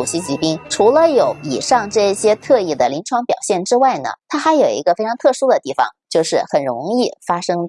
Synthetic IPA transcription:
u˨˩ɕi˥t͡ɕi˧˥pi˥ŋʈ͡ʂʰu˧˥lə˧jo˧˥ʊi˨˩ʂɑ˥˧ŋʈ͡ʂɤ˥˩ɕjɛ˥t̪ʰɤ˥˧i˥˩d̪ə˩li˧˥nʈ͡ʂʰwɑ˥ŋpjɑ˨˩ʊɕjɛ˥˩nʈ͡ʂɻ̩˥wa˥˩ɪnə̰˩t̪ʰa˥xa˧˥ɪjo˨˩ʊḭ˧˥ɡə˧fe˥ɪʈ͡ʂʰɑ˧˥ŋt̪ʰɤ˥˩ʂu˥d̪ə˨t̪i˥˩fɑ̰˨˩ŋt͡ɕjo˥˧ʊʂɻ̩˥˩xə˨˩nɻʊ̰˧˥ŋi˥˩fa˥ʂɤ˥ŋ

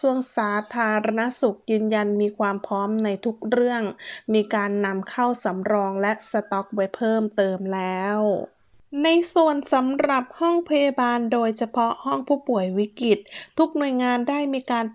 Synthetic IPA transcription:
su˧əŋsaː˩˦t̪ʰaː˧ɾa˧na˦˥su˨˩k̚jɯː˧nja˧nmiː˧kʰwaː˧mpʰɾɔː˦˥mna˧jt̪ʰu˦˥k̚ɾɯ˥˩əŋmiː˧kaː˧nːa˧mkʰa˥˩wsa˩˦mɾɔː˧ŋlɛ˦˥sa˧t̪ɔ˦˥k̚wa˦˥jpʰɤː˥˩mt̪ɤː˧mlɛː˦˥w | na˧jsu˨˩ənsa˩˨˦mɾa˨˩p̚hɔ˥˩ŋpʰa˧ja˧baː˧ndoː˧jt͡ɕʰa˧pʰɔ˦˥hɔ˥˩ŋpʰuː˥˩pu˨˩əjwi˦˥ki˨˩t̪̚ʰːu˦˥k̚nu˨˩əjŋaː˧ndaː˥˩jmiː˧kaː˧n

